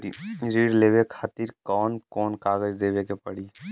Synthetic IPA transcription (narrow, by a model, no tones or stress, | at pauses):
ḭɾiːɽleːʋekʰaːt̪iːɾkɔːnkɔːnkaːɡəd͡ʒd̪eːʋekepɐɽiː